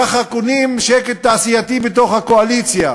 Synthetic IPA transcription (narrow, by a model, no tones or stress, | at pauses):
aχakunimʃeket̪ːaːsijat̪ibet̪o̞χhakoalit͡sja